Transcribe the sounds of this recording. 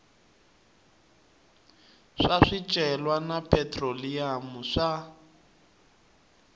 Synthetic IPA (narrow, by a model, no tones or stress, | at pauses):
ʂaʂit͡ʃʼɛlwanapʰɛtʼroliamuʂa